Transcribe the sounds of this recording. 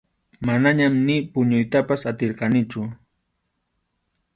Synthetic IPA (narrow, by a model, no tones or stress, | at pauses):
manaɲamnɪpʊɲʊjt̪apasat̪ɪɾqɑnɪt͡ʃʊ